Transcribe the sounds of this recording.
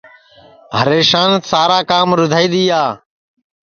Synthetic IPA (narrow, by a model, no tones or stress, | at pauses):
ɦəɾeːʃaːnsaːɾaːkaːmɾʊd̪ʱaːiːd̪iːaː